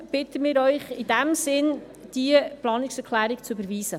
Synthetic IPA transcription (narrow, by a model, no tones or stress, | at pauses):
b̥ɪt̪əmɪːɾœʏχɪdɛmsɪn | d̥iəplɑːnɪksɛkʰlæːɾikt͡sybəɾʋiːz̥ə